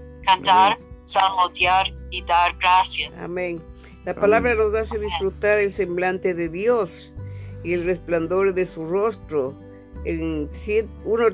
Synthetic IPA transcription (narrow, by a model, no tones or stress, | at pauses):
kant̪aɾsaɣot̪jaɾid̪aɾɡɾasjasa̰mẽŋ | lapalaβɾanozaseðisfɾut̪aɾelsemblant̪eðeðjos | ielrespland̪o̞ɾðesurost̪ɾo | ensjeuno